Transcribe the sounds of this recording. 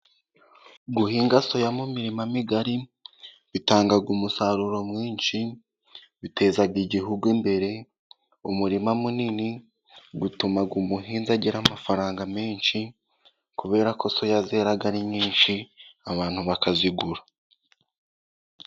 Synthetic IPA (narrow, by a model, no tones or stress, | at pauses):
ɡuhiːŋɡaso̞jamumiɾimamiɡaɾi | βitaːŋɡaɡumusaɾuɾo̞mŋiːnʃi | βite̞ːzaɡiɟiɦuɡwimbe̞ɾe̞ | umuɾimamunini | ɡutumaɡumuɦiːnzaɟiɾamafaɾaːŋɡameːnʃi | kuβe̞ːɾako̞so̞jazeɾaɡaɾiɲɲiːnʃiaβaːn̥huβakaziɡuɾa